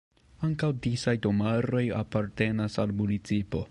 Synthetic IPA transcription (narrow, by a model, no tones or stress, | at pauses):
aŋkawdisajdo̞maɾo̞ja̰paɾte̞nasalmunit͡sipo̞